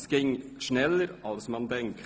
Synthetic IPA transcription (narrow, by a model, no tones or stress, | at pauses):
sɡ̥ɪŋʃnɛləɾɑlsmɑnd̪ɛŋk